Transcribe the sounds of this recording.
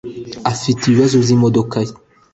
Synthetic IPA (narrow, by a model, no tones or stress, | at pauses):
afitiwazuzimodokaji